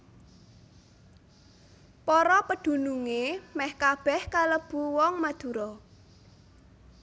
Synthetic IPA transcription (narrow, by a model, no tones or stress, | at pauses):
pɔɾɔpəd̪̥ṳnuŋemɛhkab̥ɛhkaləb̥uwɔŋmad̪̥ṳɾɔ